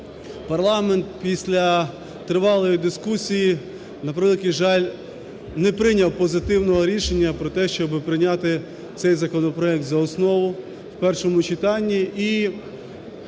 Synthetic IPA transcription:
pɐrlˠɑment̪pʲisʲlʲɐ | t̪ɾɪʋɑlˠɔjid̪ɪskusʲiji | nɐpɾɪlˠɪkʲiʒɑlʲ | nɛpɾɪnʲɐwpɔzɪt̪ɪwnɔɦɔɾʲiʃenʲːɐpɾɔt̪ɛʃt͡ʃɔbɪpɾɪnʲat̪ɪ | t̪sɛjzɐkɔnɔpɾɔɛk̚t̪zɐɔsnɔʋʊ | wpɛrʃɔmʊt͡ʃɪt̪ɑnʲːiʔi

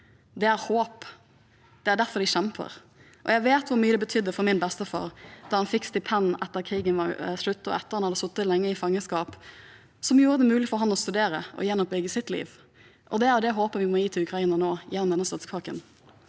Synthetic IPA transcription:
d̪ɛæɾhoːp | d̪̥ɛæːɾd̪æɾfɔɾd̪ɪʃɛmpʰə̰ɾ | ʔɔ̰jæɪʋeːt̪ʋʊɾmyːəd̪ɛbət̪ʰʏd̪ːəfɔɾmɪnbɛst̪əfɑ̰ːɾd̪̥ɑɾhɑnfɪkːst̪ɪpʰɛnʔɛt̪ːəɾkʰɾiːɡənʋɑɾʂɭʉt̪ːɔ̰ɛt̪ːəɾhɑnhɑd̪əsʊt̪ːət̪lɛŋːəɪfɑŋːəskɑːp | sɔmjuːɾəd̪ɛmʉːlɪfɔɾɦɑnːɔst̪ʉd̪eːɾəʔɔ̰jɛnːɔp̚bʏɡəsɪt̪lḭːʋ | ʔɔd̪ɛæɾjʊd̪ɛɦoːpəʋɪmɔjiːt̪ʰɪlʉkʰɾɑiːnənoːjɛnːɔmd̪ɛnːəst̪ɑt̪spʰɑːkə̰n

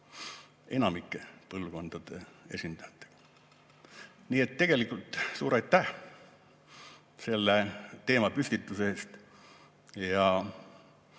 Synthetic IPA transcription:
e̞nɑmikːˑepɤlvko̞nd̪̥ɑd̪̥e̞e̞̰sʲind̪̥ɑjɑt̪ːˑe̥ɡ̥ɑ̥ | niːe̞t̪ːe̞ɡ̥e̞likːˑult̪ˑsuːɾɑjt̪ːæh | se̞lːet̪e̞ːmɑpysʲk̪it̪ːˑuseeːst̪ | jɑ

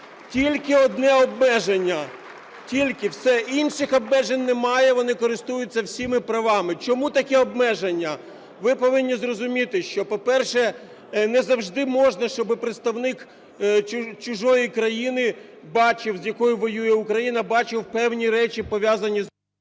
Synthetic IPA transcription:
tʲilʲkɪɔd̪nɛɔbmɛʒenʲːɐ | tʲilʲkɪwsɛinʃɪxɔbmɛʒenʲnɛmɑjɛʋɔnɪkɔɾɪst̪ujʊt͡sʲːɐwsʲimɪpɾɐʋɑmɪt͡ʃɔmut̪ɐkɛɔbmɛʒenʲːɐ | ʋɪpɔʋɪnʲːizrɔzʊmʲit̪ɪʃt͡ʃɔpɔpɛrʃɛ | nɛzɐwʒd̪ɪmɔʒnɐʃt͡ʃɔbɪpɾɪt̪st̪ɐwnɪk | t͡ʃʊʒɔjikɾɐjinɪ | bɑt͡ʃɪwzʲjɐkɔjʊʋɔjujɛukɾɐjinɐbɑt͡ʃɪwpɛwnʲiɾɛt͡ʃipɔʋʲjɑzɐnʲi

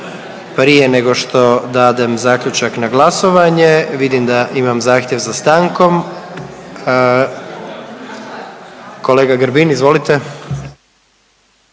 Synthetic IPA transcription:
pɾije̞ne̞ɡo̞ʃt̪o̞d̪aːd̪emzaːkʎut͡ʃaknaɡlˠaso̞ʋaɲeʋid̪imd̪aʔimamzaːxt̪jeʋzast̪aŋko̞m | koleːɡaɡɾbinizʋo̞lit̪e

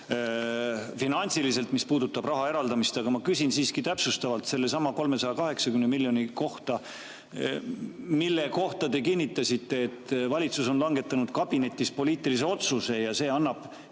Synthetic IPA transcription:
finɑnʲsilise̞lt̪ˑmispuːd̪ut̪ːˑɑb̥rɑɦɑe̞ɾɑld̪ɑmist̪ɑɡ̥ɑmɑkysinsiːskit̪æpsust̪ɑvɑlt̪se̞lːe̞sɑmɑko̞lme̞sɑjɑkɑɦe̞ksɑkymnemiljo̞niko̞ht̪ɑ | milːe̞ko̞ht̪ɑd̪e̞kinʲːit̪ːˑɑsʲit̪ːˑe̞ːt̪vɑlʲit̪suso̞nlɑŋɡ̥e̞t̪ːˑɑnud̪̥kɑb̥ine̞t̪ʲːˑispo̞lʲiːt̪ːˑilis̬e̞o̞t̪suse̞jɑse̞ːɑnːɑb̥

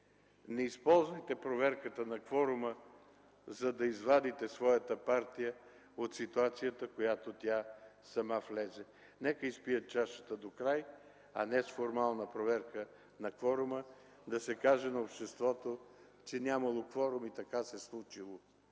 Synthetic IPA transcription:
nɛispɔlˠzvəjt̪ɛpɾovɛɾkət̪ənɐkvɔɾʊmə | zɐd̪ɐizvad̪it̪ɛsvɔjət̪əpaɾt̪ijə | ot̪sit̪uat̪sijət̪əkojat̪ot̪ʲasɐmaflɛzɛ | nɛkəispijət̪̚t͡ʃaʃə̥t̪əd̪okɾaj | ɐ̰nɛsfoɾmalˠnəpɾovɛɾkə | nɐkvɔɾʊmə | d̪ɐsɛkaʒɛnɐopʃt̪ɛst̪vɔt̪o | t͡ʃɛnʲjamɐlˠokvɔɾʊmit̪ɐkasɛslˠut͡ʃilˠo

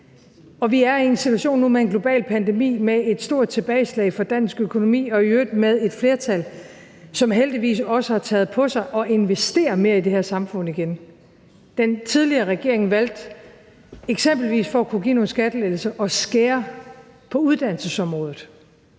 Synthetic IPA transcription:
ɒ̽ʋiæɐie̝nsit͡sʰuæɕo̝̰ːnːumee̝nɡ̥lo̝b̥ɛ̰ːlpʰænd̥e̝mḭːmee̝d̥sd̥o̝ɐ̰d̥̚t͡sʰe̝b̥ɛːɪslɛ̰ɪfɒd̥æn̰sɡ̥økʰo̝no̝mḭːɒ̽iødmeð̞ˠe̝d̥fle̝ːɐt͡sʰæl | sɒ̽mɦeld̥iʋḭːsɒ̽səhɑ̈t͡sʰɛ̰ːð̞̩ˠpʰɒ̽sɑ̈ɪʔɒ̽ʔe̝nʋesd̥e̝̰ːɐme̝ːɐide̝heɐsɑ̈mfɔ̽n̰̩iɡ̥en | d̥ent͡sʰið̞ˠliɐːʁɛɡ̥e̝ɐ̰e̝ŋ̩ʋæl̰d̥ | eɡ̥semb̥l̩ʋḭːsfɒ̽ækʰuɡ̥ḭːno̝ːn̩sɡ̥æd̥əleːl̩sɐʔɒ̽sɡ̥eːɐ | pʰɒ̽uð̞ˠd̥æn̰səsɒ̽mʁɔ̽ːð̩ˠ

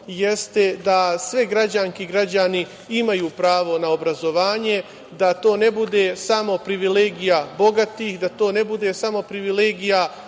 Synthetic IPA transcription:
je̞st̪e̞d̪asʋeɡɾad͡ʑaŋkiɡɾad͡ʑani | imajuːpɾaːʋo̞nao̞bɾazo̞ʋaːɲe̞ | d̪at̪o̞ːne̞bud̪esamo̞pɾiʋileːɡijabo̞ɡat̪ihd̪at̪o̞ːne̞bud̪e̞samo̞pɾiʋileːɡija

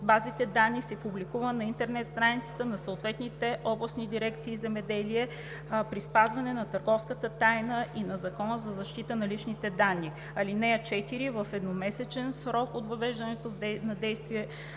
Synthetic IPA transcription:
bazit̪ɛd̪anːisɛpublikuvənɐint̪ɛɾnɛt̪st̪ɾanit̪sə̥t̪ənɐsɐoʊt̪vɛt̪nit̪ɛʔɔblˠɐsnid̪iɾɛkt̪siːzɛmɛd̪ɛliɛ | pɾispazvɐnɛnɐt̪əɾɡɔfskət̪ət̪ajnəʔinɐzɐkɔnəzɐzɐʃt̪it̪ənɐlit͡ʃnit̪ɛd̪anːi | ɐlinɛɐt͡ʃɛt̪iɾivəfɛd̪nomɛsɛt͡ʃɛnsɾɔkot̪vɐvɛʒd̪ɐnɛt̪ovnɐd̪ɛjst̪viɛ

